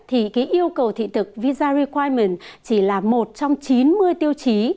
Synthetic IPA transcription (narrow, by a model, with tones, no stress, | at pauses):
t̪ʰi˨˩kaː˨˦jʔi˧əwkə˨˩wt̪ʰḭ˧˨t̪ʰɨ˨˩k̚vi˧zaː˧ɾi˧kwaː˧jmi˨˩nt͡ɕi˧˩laː˨˩mo˨˩t̚t͡ɕɔ˧wŋ͡mt͡ɕi˨˦nmɨ˧əjt̪i˧əwt͡ɕi˨˦